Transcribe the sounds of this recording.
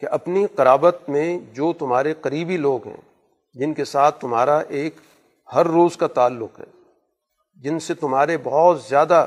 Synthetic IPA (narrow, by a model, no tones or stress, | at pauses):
keʔɐpniqɐɾaːbət̪mẽd͡ʒoːt̪ʊmɦaːɾeqɐɾiːbiloːɡɦɛ̰̃ː | d͡ʒɪnkesaːt̪ʰːʊmɦaːɾaʔeːk | hɐɾːoːzkat̪aːlːʊqɦɛ̰ː | d͡ʒɪnset̪ʊmɦaːɾebɐɦɔːt̪zjaːd̪a